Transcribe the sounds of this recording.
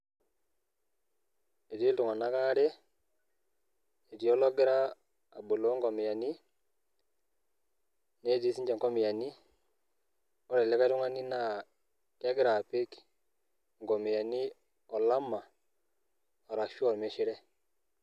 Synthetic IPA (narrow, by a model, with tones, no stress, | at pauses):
e˨ti˦ltʊ˨ŋa˨na˦ka˦ɾɛ˦ | e˨ti˨˦ɔ˦lɔ˦ɡɪ˦ɾaː˦˨ | bo˨lo˨˦ŋɡɔ˨mɪ˨ja˨ni˦ | ne˦ti˦si˦ɲd͡ʒɛ˨ŋɡɔ˦mɪ˨ja˨ni˦ | ɔ˦ɾɛ˨lɛ˨˦ka˦tʊ˦ŋa˦ni˦na˨ | kja˦ɡɪ˦ɾa˨pɪ˦k | ŋɡɔ˨mɪ˨ja˨ni˦ | ɔ˨la˦ma˨ | ɔ˨ɾa˨ʃɔ˦˨ɾme˨ʃɪ˦ɾɛ˦